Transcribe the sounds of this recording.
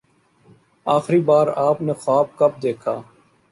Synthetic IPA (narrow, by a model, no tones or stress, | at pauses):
aːxɾiːbaːɾaːpneːxaːb̚kəp̚d̪eːkʰaː